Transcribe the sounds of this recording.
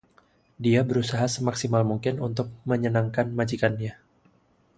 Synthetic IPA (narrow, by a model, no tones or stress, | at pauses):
diabəɾusaɦasəmaksimalmuŋkɪnunt̪ʊk̚məɲənaŋkanmad͡ʒikanɲa